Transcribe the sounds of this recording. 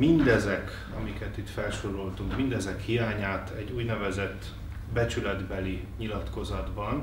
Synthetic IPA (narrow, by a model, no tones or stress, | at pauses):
mind̪ɛzɛk | ɒmikɛt̪it̪fɛlʃoɾo̞lt̪uŋkmind̪ɛzɛkhijaːɲaːt̪ɛɟːuːɟnɛvɛzɛt̪ː | bɛt͡ʃylɛd̪bɛliɲilɒt̪ko̞zɒd̪bɒn